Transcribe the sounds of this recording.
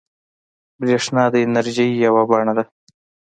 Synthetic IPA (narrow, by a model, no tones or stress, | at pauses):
bɾeʂnɑd̪əɪnaɾʒijjawabɑɳad̪a